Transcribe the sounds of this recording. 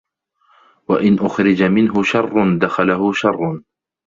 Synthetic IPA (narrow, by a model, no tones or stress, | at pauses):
waʔɪnʔʊxɾɪd͡ʒamɪnɦʊʃɑrˤːʊnd̪axalaɦʊʃɑrˤːʊn